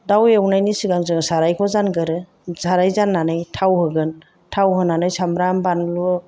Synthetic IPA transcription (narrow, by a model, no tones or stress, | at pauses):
dawewnajnisiɡaŋzɯŋsaɾajkʰɔzanɡɯɾɯ | z̥aɾajzanːanɯjtʰawhɯɡɯn | tʰawɦɯnanɯjsamɾambanlu